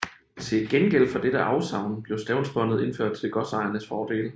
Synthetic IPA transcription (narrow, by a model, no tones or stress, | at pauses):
t͡sʰe̝lɡ̥enɡ̥el̰fɒ̽d̥eɾ̥əʔɑ̈ʊsɑ̈ʊ̰nb̥le̝ʊsd̥ɛʊnsb̥ɒ̽nð̩ˠe̝nføɐ̰d̥̚t͡sʰe̝lɡ̥ɒ̽sɑ̈ɪɐnəsfɒːd̥e̝̰ːl